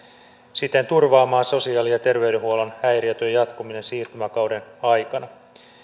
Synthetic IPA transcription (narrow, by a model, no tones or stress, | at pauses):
sit̪ːent̪urʋɑːmɑːnso̞siɑːlijɑt̪e̞rʋe̞ɥdeɦuo̞lɑnæjɾiɑt̪øjjɑt̪kumine̞nsiːrt̪ymækɑwde̞nɑjkɑnɑ